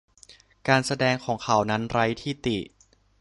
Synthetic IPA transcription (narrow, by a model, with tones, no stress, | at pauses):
kaː˧nsa˧dɛː˧ŋkʰɔː˩˦ŋkʰa˩˦wna˦˥nɾa˦˥jt̪ʰiː˥˩t̪i˨˩ʔ